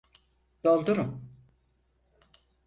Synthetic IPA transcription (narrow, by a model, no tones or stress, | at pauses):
d̪̥olˠd̪uɾum